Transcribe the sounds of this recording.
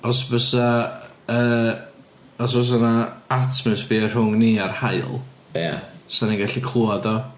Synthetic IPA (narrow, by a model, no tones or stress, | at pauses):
ɔsvəsaəː | ɔs̬vəs̬anaartʰmɨsviːɛr̥hʊŋniarhaɨlˠja̰saniŋɡaɬikʰlˠuaðɔ